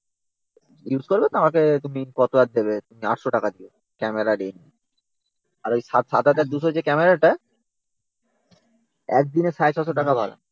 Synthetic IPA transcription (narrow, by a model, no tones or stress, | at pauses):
jud͡ʑkoɾbet̪amaket̪umikɔt̪oad̪̚d̪eβet̪umia̰ʈʃoʈakad̪io | kɛmeɾaɖeni | aɾojʃat̪ʃat̪at̪aɾ̚d̪uʃod͡ʑekɛmeɾaʈa | ɛk̚d̪ineʃaet͡ɕʰɔʃoʈ̬akabʱaɾa̰